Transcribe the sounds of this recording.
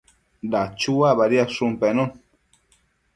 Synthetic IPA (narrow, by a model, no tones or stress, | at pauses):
dat͡ʃuabaɾiasumpenõn